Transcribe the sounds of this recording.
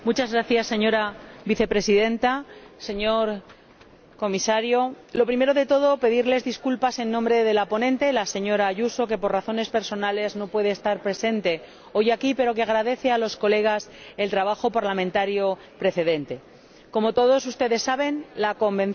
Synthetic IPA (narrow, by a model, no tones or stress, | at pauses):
mut͡ʃazɣɾaθjasːe̞ɲo̞ɾaβiθe̞pɾe̞siðe̞nt̪ase̞ɲo̞ɾ | ko̞misaɾjo̞ | lo̞pɾime̞ɾo̞ðe̞t̪o̞ð̞o̞pe̞ðiɾle̞zðiskulpase̞nːõmbɾe̞ðe̞lapo̞nẽnt̪e̞lase̞ɲo̞ɾaːʝuso̞k̬e̞po̞rraθo̞ne̞spe̞ɾso̞nale̞zno̞pwe̞ðe̞ːst̪aɾpɾe̞se̞nt̪e̞ | o̞jakipe̞ɾo̞ke̞aɣɾaðe̞θealo̞sko̞le̞ɣ̞ase̞lt̪ɾaβ̞axo̞paɾlamẽnt̪aɾjo̞ | pɾe̞θe̞ðẽ̞nt̪e̞ | ko̞mo̞t̪o̞ð̞o̞s̬ust̪e̞ðe̞sːaβe̞nlako̞mbe̞n